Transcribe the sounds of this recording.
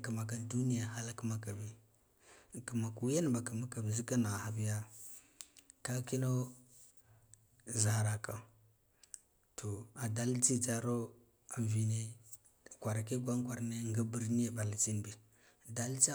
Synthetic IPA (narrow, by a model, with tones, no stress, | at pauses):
ka˨ma˨ka˦ndu˦ni˦ja˨ha˦la˦ki˦ma˦ka˨bi˦˨ | ki˨ma˨ku˨˦ja˦n˨ba˨ka˨ma˦ka˨bi˨zi˦ka˦na˨ha˨bi˦ja˦ | ka˦ki˦no˦ | za˨ɾa˨ka˨ | tʰo˨a˨da˦lt͡ʃi˦t͡ʃa˦ɾo˦ | a˨vi˨ne˦˨ | kʷa˨ɾa˨ke˦ɡʷa˦ŋ˦kʷa˨ɾne˦ŋɡa˦bi˨ɾni˦ja˨ba˨la˨t͡ʃi˦n˨bi˨ | da˦lt͡ʃa˦